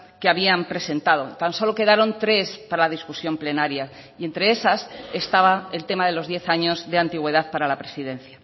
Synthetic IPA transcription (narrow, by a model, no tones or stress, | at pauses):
keaβiampɾe̞se̞nt̪að̞o̞t̪anso̞lo̞ke̞ðaɾo̞nt̪ɾe̞spaɾalað̞iskusjo̞mple̞naɾja | ie̞nt̪ɾe̞e̞sase̞st̪aβae̞lt̪e̞maðe̞lo̞zðje̞θaɲo̞zðe̞ant̪iɣwe̞ð̞aðpaɾalapɾe̞siðẽ̞nθja